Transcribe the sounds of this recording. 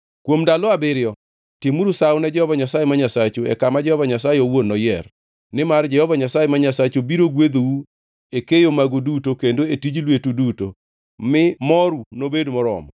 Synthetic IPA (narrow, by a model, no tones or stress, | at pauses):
kwomdalɔabɪɾjɔ | timuɾusawnɛd͡ʒɛhɔvaɲasajemaɲasat͡ʃoɛ̰kamad͡ʒɛhɔvaɲasajeowonːɔjɛr | nɪmard͡ʒɛhɔvaɲasajemaɲasat͡ʃobiɾoɡwed̪owu | ekejomaɡodutokendoetid͡ʒlwetuduto̰ | mɪmɔɾunobedmɔɾɔ̰mɔ